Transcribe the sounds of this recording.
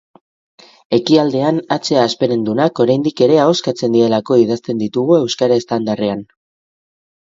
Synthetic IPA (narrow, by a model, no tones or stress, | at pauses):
e̞kiald̪e̞anat͡se̞aːspe̞ɾe̞nd̪unako̞ɾajnd̪ike̞ɾe̞ao̞skat͡se̞nd̪iɾe̞lako̞ið̞ast̪e̞nd̪it̪uɣ̞ue̞wskaɾaest̪and̪are̞an